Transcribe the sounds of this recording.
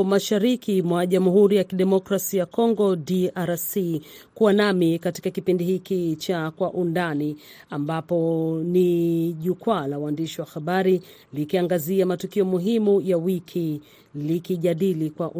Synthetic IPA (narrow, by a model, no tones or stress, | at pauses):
maʃaɾikʰimwaʄamuɦuɾijakiɗɛmɔkɾasijakɔŋɡɔdiaɾasi | kuwanamikati̥kakipindihikit͡ʃakwaʔundani | ambapɔniʄukwalawaːndiʃiwahaɓaɾi | likiaŋɡaziamatukiɔmuɦimujawikʰi | likiʄaɗilikwaʔu